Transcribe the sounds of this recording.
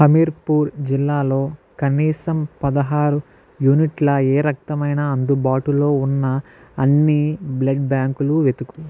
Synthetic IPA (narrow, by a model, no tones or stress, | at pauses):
hɐmiɾpuːɾd͡ʒilːaːlo̞ːkɐniːsɐmpɐd̪ɐɦaːɾu | juniʈlɐeːɾɐk̚t̪ɐmɐjnaːɐnd̪ubaːʈulo̞ːunːɐː | nːiblɐɖbaːŋkuluʋe̞t̪uku̥